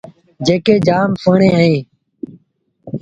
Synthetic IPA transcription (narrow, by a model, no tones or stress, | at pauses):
d͡ʒeːkeːd͡ʒaːmpəːɳẽːɦẽː